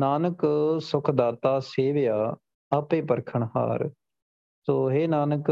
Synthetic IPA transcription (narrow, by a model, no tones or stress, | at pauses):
naːnəksʊkʰd̪aːt̪aːseːʋjaː | əpẽːpəɾkʰəɳɦa̰ːɾ | soːɦeːnaːnək